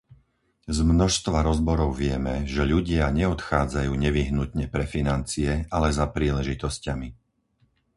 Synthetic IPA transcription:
zmnɔʃst̪ʋaɾɔzbɔɾɔʊʋɪɛmɛʒɛʎuɟɪaɲɛɔt̪xaːd͡zajuːɲɛʋiɦnut̪ɲɛpɾɛfinant͡sijɛalɛzapɾiːlɛʒit̪ɔscami

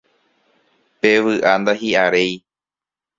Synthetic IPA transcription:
pe̞ʋɨʔand̪aɦiaɾe̞j

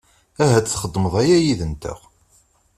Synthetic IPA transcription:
æɦæt͡st͡sːχəd̪ˤːməðˤæjæjiðənt̪ə̰ʁ

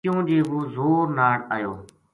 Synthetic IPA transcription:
jõːd͡ʒeːɦoːzoːɾnaːɽa̰ːjoː

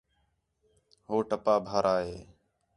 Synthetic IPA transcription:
ɦoːʈəpaːbʱaːɾʔaːɦeː

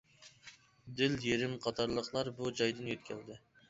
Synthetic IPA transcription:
d̪ɪljeɾɪmqʰɑt̪ʰɑɾlˠəqʰlˠɑɾbud͡ʒɑjd̪ɨnjet̪̚kʲʰɛld̪ɪ

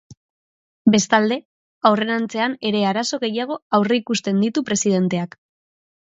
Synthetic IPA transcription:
be̞st̪ald̪e̞ | awre̞nant͡se̞ane̞ɾe̞aɾaso̞ɣe̞jaɣ̞o̞awreikust̪e̞nd̪it̪upɾe̞sið̞e̞nt̪e̞ak

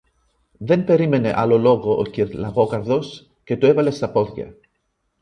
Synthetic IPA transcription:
ðe̞mpe̞ɾime̞ne̞̰ʔɐlolo̞ɣo̞ʔociɾlɐɣo̞kɐɾðo̞s | ce̞t̪oe̞vɐle̞st̪ɐpo̞ðʝɐ̰

